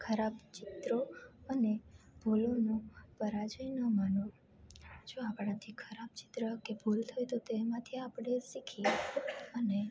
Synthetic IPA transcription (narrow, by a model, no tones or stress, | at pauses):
kʰəɾabt͡ʃit̪ɾoəneb̥ʱulonũpəɾad͡ʒəjnəmanõ | d͡ʒoapɽ̃ãt̪ʰikʰəɾab̚t͡ʃi̥t̪ɾəkebʱult̪ʰojt̪ot̪emãt̪ʰiapɽesikʰi | əne